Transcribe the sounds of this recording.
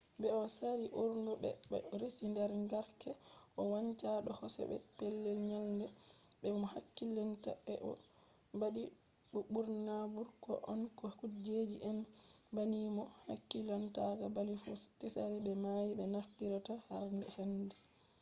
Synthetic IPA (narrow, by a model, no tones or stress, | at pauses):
bɛɔsaɾiʔuɾndubɛ̰ɾesindɛɾŋɡaɾkɛʔɔwaɲt͡ʃaɗɔhɔsɛ̰ɓɛ̰pɛlːɛlɲalndɛbɛmɔhakːilantabɛʔɔ̰ | baɗi | bubuɾnabuɾkɔ̰ʔɔnkɔkud͡ʒed͡ʒiʔɛnbanimɔha̰kːilantaɡabalifɔkisaɾibɛmajibɛnafkiɾatahaɾndɛhɛndɛ